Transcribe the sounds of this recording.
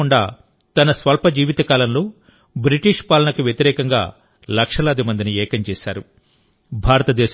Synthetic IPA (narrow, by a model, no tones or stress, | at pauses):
uɳɖa̰ː | t̪ɐnɐsʋɐlpɐd͡ʒiːʋit̪ɐkaːlɐnloː | bɾiʈiʂpaːlɐnɐkuʋjɐt̪iɾɛːkɐŋɡa̰ː | lɐkʂɐlɐːd̪imɐnd̪iniɛːkɐɲt͡ʃɛːʃa̰ːɾu | bʱaːɾɐt̪ɐd̪ɛːʃ